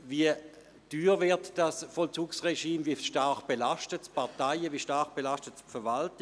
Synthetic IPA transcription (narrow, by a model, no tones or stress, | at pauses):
viə | d̥yːʁvɪɐtd̥asfɔlt͡suːksʁeʃiːmviəʃtaɐχb̥elaʃtətpaɐtaɪəviːʃtaχb̥elastətfɛɐvalt